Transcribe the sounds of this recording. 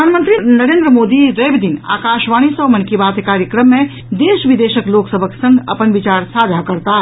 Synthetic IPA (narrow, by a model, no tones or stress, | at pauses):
anmənt̪ɾinəɾend̪ɾəmod̪iɾebd̪ina̰kaʃʋaɽ̃isəmənkibat̪ekaɾjəkɾəmːe | d̪eʃbid̪esəkloksəbʱəksə̃ŋɡə̰pənbit͡ʃaɾsad͡ʒ̪ʱakəɾt̪a